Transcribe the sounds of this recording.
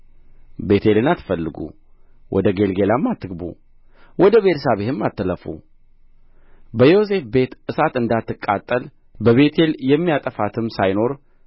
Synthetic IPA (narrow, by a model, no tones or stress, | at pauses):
be̞t̪ʰe̞lɨnat̪ːɨ̥fəlːɨɡṵ | wʔɔ̰d̪əɡe̞lɡe̞lamːat̪ʰːɨɡbṵ | wɔd̪əβet̪ʰsaβehɨmːat̪ʰːələfṵ | bəjo̞s̬e̞fbe̞t̪ʔɨsat̪ɨnd̪at̪ːɨkʼːat̪ʼːəl | bəβe̞t̪ʰe̞ljɛmːijat̪ʼəfat̪ʰɨmsajno̞ɾ